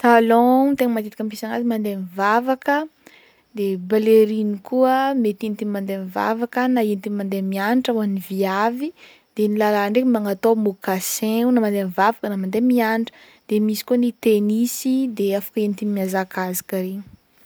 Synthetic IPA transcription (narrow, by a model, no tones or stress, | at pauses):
t̪alõt̪eŋəmat̪et̪i̥kəmpisaŋazimand̪emvavakə | d̪ebaleɾinikuəmet̪int̪imand̪eniva̰vakənaenit̪imand̪emianiʈ͡ʂawaniviavi | d̪̥enilalaɳɖ͡ʐekmaŋat̪omukasẽunamand̪emvavakənamand̪emianʈ͡ʂə̥ | d̪̥emisi̥kuənit̪enisid̪eafḁkəenit̪imiazakazḁkaɾeɲ